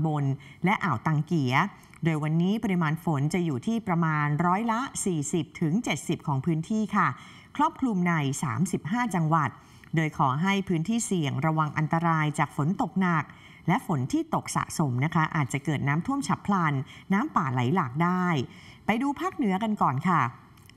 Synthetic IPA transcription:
bo˧n | lɛ˦˥ʔaː˨˩wt̪aː˧˩ŋki˨˩˦ə | doː˧jwa˧nːiː˦˥pa˧ɾi˧maː˧nfo˨˩˦nt͡ɕa˨˩juː˨˩t̪ʰiː˥˩pɾa˧maː˧nɾɔː˦˥jla˦˥siː˨˩si˨˩p̚t̪ʰɯ˩˦ŋt͡ɕe˨˩t̪̚si˨˩p̚kʰɔː˩˦ŋpʰɯː˦˥nt̪ʰiː˥˩kʰa˥˩ | kʰɾɔː˥˩p̚kʰlu˧mna˧jsa̰ː˩˦msi˨˩p̚ɦaː˥˩t͡ɕa˧ŋwa˨˩t̪̚ | doː˧jkʰɔː˩˦ɦa˥˩jpʰɯː˦˥nt̪ʰiː˥˩si˨˩əŋɾa˧wa˧ŋʔa˧nt̪a˧ɾaː˧jt͡ɕaː˨˩k̚fo˨˩˦nt̪o˨˩k̚na˨˩k̚ | lɛ˦˥ʔfo˩˦nt̪ʰiː˥˩t̪o˨˩k̚sa̰˨˩ʔso˨˩˦mna˦˥kʰa˦˥ʔaː˨˩t̪̚t͡ɕa˨˩kɤː˨˩t̪̚naː˦˥mt̪ʰu˥˩əmt͡ɕʰa˦˥pʰla˧nːaː˦˥mpaː˨˩la̰˩˦jlaː˨˩k̚daː˥˩j | pa˧jduː˧pʰaː˥˩k̚nɯ˩˦ɐka˧nkɔː˨˩nkʰa˥˩

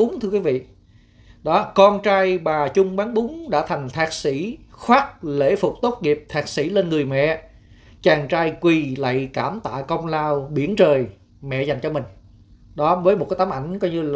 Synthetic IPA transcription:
ʊ˨˦ŋ͡mt̪ʰɨ˧kwi˨˦vḭ˧˨ | ɗɔ˨˦kɔ˧nt͡ɕaː˧jɓaː˨˩t͡ɕʊ˧ŋ͡mɓaː˨˦nɓʊ˨˦ŋ͡mɗa̰ː˧˥t̪ʰa˨˩jŋ̟t̪ʰaː˦˥k̚sḭ˧˥xwaː˦˥t̚lḛ˧˥fʊ˨˩k͡p̚t̪o˦˥t̚ŋi˨˩əp̚t̪ʰaː˨˥k̚sḭ˧˥le˧nŋɨ˨˩əjmɛ̰˧˨ | t͡ɕaː˨˩ŋt͡ɕaː˧jkwi˨˩la̰˧˨jkaː˧˩mt̪a̰ː˧˨kə˧wŋ͡mlaː˧wɓi˧˩ənt͡ɕəː˨˩j | mɛ̰˧˨za˨˩jŋ̟t͡ɕɔ˧mï˨˩ŋ̟ | ɗɔ˨˦vəː˨˦jmo˨˩t̚kaː˨˦jt̪aː˨˦mʔa˧˩jŋ̟kɔ˨˦ɲɨ˧

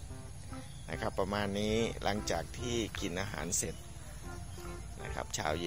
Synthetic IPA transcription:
na̰˦˥kʰa˦˥pːa˧maː˧nːiː˦˥lʔa̰˩˦ŋt͡ɕaː˨˩k̚t̪ʰiː˥˩ki˨˩nʔaː˧ɦa̰ː˩˦nse˨˩t̪̚ | na̰˦˧kʰa̰˦˥p̚t͡ɕʰa̰ː˧wje˧

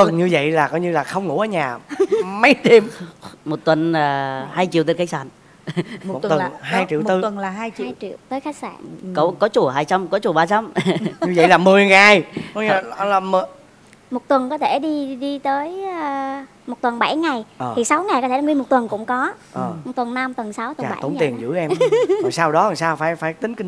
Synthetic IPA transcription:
fə˨˩nɲɨ˧və̰˧˨jlaː˨˩kɔ˨˦ɲɨ˧laː˨˩xə˧wŋ͡mŋṵ˧˩˦ʔəː˧˩˦ɲaː˨˩mə˨˦jt̪i˧əmmo˨˩t̚t̪wə˨˩naː˨˩haː˧jt͡ɕḭ˧˨t̪e˧nka˧j̚sa̰ː˧˩n˩˨˩ | t̪ə˨˩˨nɦːjt͡ɕḭ˧˨t̪ɨ˧ə˨˩nlaː˨˩ɦaː˧jt͡ɕḭ˧jt͡ɕḭ˧˨əwwt̪əː˨˦jxaː˨˦˥k̚sa̰ː˧˩ko˧˦kɔ˨˦t͡ɕu˧˩ɦaː˧jt͡ɕa˧mkɔ˨˦t͡ɕu˧˩ɓaː˧t͡ɕa˧mɲɨ˧və̰˧˨jlaː˨˩mɨ˨˩əjŋaː˨˩jɲa˨˩˧laː˨˩mɨ˨˩ | mo˨˩t̚t̪wə˨˩nkɔ˨˦t̪ʰe˧˩ɗi˧ɗi˧t̪əː˨˦j | mo˨˩t̚t̪wə˨˩nɓa˧˩jŋa˨˩jʔəː˨˩i˨˩sa˨˦wŋa˨˩jkɔ˨˦tʰe˧˩˧ŋwi˧mo˨˩t̚t̪ə˨˩nkʊ̰˧˥ŋ͡mkɔ˨˦ | ʔə˨t̪wə˨˩nːna˧mt̪wə˨˩nsa˨˦wt̪t͡ɕaː˨˩ɓa̰˧˩˦t̪o̰˧˩˦t̪i˨˩ənzɨ̰˧˥ʔɛ˧mɔ˨˩jsaː˧wɗɔ˨˦a˨˩jsaː˧wfaː˧˩jfaː˧˩jt̪ï˨˦ŋ̟ki˧

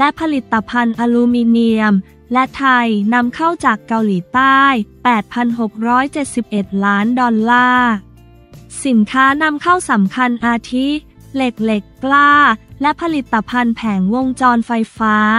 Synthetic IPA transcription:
lɛ˦˥pʰa˧li˨˩t̪ːa˧pʰa˧nʔaː˧luː˧miː˧ni˧əm | lɛ˦˥t̪ʰa˧jna˧mkʰa˥˩wt͡ɕaː˨˩kːa˧wliː˩˦t̪aː˥˩jpɛː˨˩t̪̚pʰa˧nɦo˨˩k̚ɾɔː˦˥jt͡ɕe˨˩t̪̚si˨˩p̚ʔe˨˩t̪̚laː˦˥ndɔː˧nlaː˥˩ | si˩˦nkʰaː˦˥na˧mkʰa˥˩wsa˩˦mkʰa˧nʔaː˧t̪ʰi˦˥ | le˨˩k̚le˨˩kːlaː˥˩lɛ˦˥pʰa˧li˨˩t̪ːa˧pʰa˧npʰɛː˩˦ŋwo˧ŋt͡ɕɔː˧nfa˧jfaː˦˥

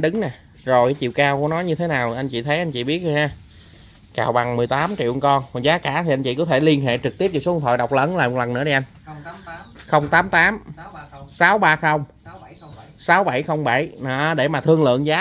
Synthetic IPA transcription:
ɗɨ˨˦ŋnaː˨˩ | zo˨˩jkaː˨˦jt͡ɕḭ˧˨wkaː˧wku˧˨˦nɔ˨˦jɲɨ˧t̪ʰe˨˦naː˨˩wʔa˧ŋ̟t͡ɕḭ˧˨t̪ʰə˨˦jʔa˧jŋ̟t͡ɕḭ˧˨ɓi˦˥ət̚haː˧˩ | kaː˨˩wɓa˨˩ŋmɨ˨˩əjt̪aː˨˦mt͡ɕḭ˧˨wkɔ˧nkɔ˨˩zaː˨˦kaː˧˩t̪i˨˩a˧jt͡ɕḭ˧˨kɔ˨˦t̪ʰe˧˩li˧ənɦḛ˧˨t͡ɕɨ˨˩k̚t̪i˦˥p̚ɲɔ˨˧˩sŋ͡mt̪ʰə̰˧˨jɗa˨˩wk͡p̚ləː˨˦nlaː˨˩mo˨˩k̚lə˨˩nɨ˧˥ɗi˨˩ʔa˧jŋ̟ | xə˧wŋ͡mt̪aː˨˦mt̪aː˨˦m | saː˨˦wɓaː˧xə˧wŋ͡m | saː˨˦wɓa˧˩jxə˧wŋ͡mɓa˧˩jnɔ˨ɗe˧˩maː˨˩t̪ʰɨ˧əlɨ̰˧˨ənzaː˨˦

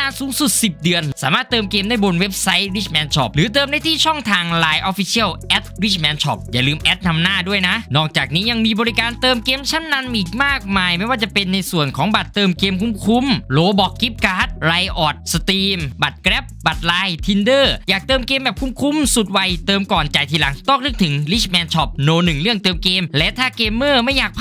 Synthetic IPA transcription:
naː˥˩suː˨˦ŋsu˨˩t̪̚si˨˩p̚dɯ˧ənsaː˩˦maː˥˩t̪ːɤː˧mkeː˧mdaː˥˩jbo˧nwe˦˥p̚sa˦˥jɾiː˦˥˩t͡ɕmɛː˧˥nt͡ɕʰɔ˦˥p̚lɯː˨˦t̪ɤː˧mda˥˩t̪ʰiː˥˩t͡ɕʰɔ˥˩ŋt̪ʰaː˧ŋlaː˧jʔɔ˦˥fi˧˦sʰi˥˩əwʔɛ˦˥t̪̚wi˦˥˩t͡ɕmɛː˨˧˥nt͡ɕʰɔ˦˥p̚jaː˨˩lɯː˧mʔɛ˦˥t̪̚na˧mnaː˥˩du˥˩əjna˦˥ʔnɔː˥˩k̚t͡ɕaː˨˩k̚niː˦˥ja˧ŋmiː˧bɔː˧ɾi˦˥kaː˧nt̪ɤː˧mkeː˧mt͡ɕʰa˥˩nːa˧nʔiː˨˩k̚maː˥˩k̚maː˧jma˥˩jwaː˥˩t͡ɕa˨˩pe˧nːa˧jsu˨˩ənkʰɔː˩˦ŋba˨˩t̪ːɤː˧mkeː˧mkʰu˧˥˩mkʰu˧˥mloː˧bɔ˨˥kːi˦˥p̚kaː˦˥t̪̚ɾa˧jʔɔː˨˩t̪̚sa˧t̪iː˧mba˨˩t̪̚kɾɛ˦˥p̚ba˨˩t̪̚laː˧jt̪ʰi˧ndɤː˥˩jaː˨˩k̚t̪ɤː˧mkeː˧mbɛː˨˩p̚kʰu˧˥˩mkʰu˧˥msu˨˩t̪̚wa˧jt̪ɤː˧mkɔː˨˩nt͡ɕa˨˩jt̪ʰiː˧la˨˦ŋt̪ɔː˥˩k̚nɯ˦˥k̚t̪ʰɯ˩˦ŋli˦˥˩mɛː˧˥nt͡ɕʰɔ˦˥p̚noː˧nɯ˨˩ŋlɯ˥˩əŋt̪ɤː˧mkeː˧mlɛ˦˥t̪ʰaː˥˩keː˧mːəː˥˩ma˥˩jːaː˨˩k̚pʰ

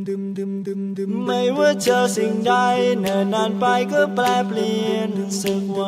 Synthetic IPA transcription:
ma˧˩jwaː˥˩t͡ɕəː˧˩si˧˩ŋda˧jna˨˧˩naː˧npa˧jkɔː˧˥˩plɛː˧pli˧əənsə˧˩k̚wa˧˩

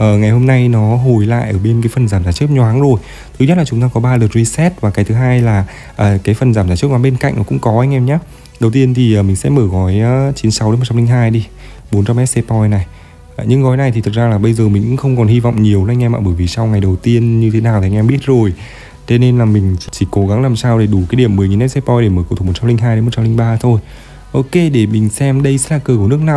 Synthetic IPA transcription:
ʔəː˨˩ŋa˨˩jho˧mna˧jnɔ˨˦ɦo˨˧˩jla̰ː˧˨jʔəː˧˩ɓe˧nkaː˨˦fə˨˩nzaː˧˩mzaː˧˩t͡ɕɨ˦˥k̚ɲɔ˨a˨˦nzo˨˩j | t̪ʰɨ˨˦ɲə˦˥t̚laː˨˩t͡ɕʊ˨˦ŋ͡mt̪aː˧kɔ˨˦ɓaː˧lə˨˩t̚zi˧sɛ˦˥t̚vaː˨˩kaː˨˦jt̪ʰɨ˨˦ɦaː˧jlaː˨˩ | ʔəː˨˩kaː˨˦jfə˨˩nzaː˧˩mzaː˧˩t͡ɕɨ˦˥k̚ɲa˨˦ɓe˧nka̰˧˨ŋʔnɔ˨˦kʊ̰˧˥ŋ͡mkɔ˨˦ʔa˧jŋ̟ʔɛ˧mɲaː˨˦ | ɗə˨˩wt̪i˧ənt̪ʰi˨˩ʔəː˨˩mï̟˨˩sɛ̰˧˥məː˧˩ɣɔ˨˦jːt͡ɕi˨˦nsa˨˦wɗe˨˦mo˨˩t͡ɕa˧mli˧ŋ̟ɦaː˧jɗi˧ | ɓo˨˦nt͡ɕa˧mɛ˦˥t̚se˧pɔ˧jna˨˩j | ɲɨ˧ŋɣɔ˨˦jna˨˩jt̪ʰi˨˩t̪ʰt̚zaː˧laː˨˩ɓə˧jzəː˨˩mï˨˩ŋ̟kʊ̰˧˥xə˧wŋ͡mkɔ˨˩nhi˧vɔ̰˧˨wŋ͡mɲi˨˩əwʔʔjŋʔɛ˧ma̰ː˧˨˩ɓəː˧˩jvi˨˩sa˧wŋa˨˩jɗə˨˩wt̪i˧ənɲɨ˧t̪ʰe˨˦naː˨˩wt̪ʰŋ̟ʔɛ˧mɓi˦˥ət̚zo˨˩j | t̪ʰe˧ne˧nlaː˨˩mï˨˩ŋ̟t͡ɕi˧˩ko˨˦ɣa˨˦ŋlaː˨˩msaː˧wɗe˧˩ɗu˧˩kaː˨˦jɗi˧˩əmːɨ˨˩jŋi˨˩nmɛ˦˥t̚se˧pɔ˧jɗe˧˩məː˧˩ko˧˩t̪u˨˩mo˨˩t̚t͡ɕa˧mlï˧ŋɦaː˧jɗmo˨˩t̚t͡ɕa˧li˧ŋ̟ɓaː˧t̪ʰo˧j | ʔo˧ke˧ɗe˧˩mï˨˩ŋ̟sɛ˧mɗə˧jsɛ̰˧˥laː˨˩kəː˧˩ku˧˩nɨ˦˥ək̚naː˨˩

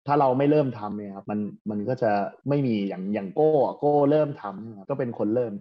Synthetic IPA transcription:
t̪ʰaː˥˩ɾa˧wma˥˩jɾɤː˥˩mt̪ʰa˧mni˥˩ɐkʰa˦˥p̚ma˧nma˧nkɔː˥˩t͡ɕa˨˩ma˥˩jmiː˧jaː˨˩ŋjaː˨˩ŋkoː˥˩a˨˩koː˥˩lɤː˥˩mt̪ʰa˧mni˥˩˨kʰa˦˥kɔː˥˩pe˧nkʰo˧nlɤː˥˩m

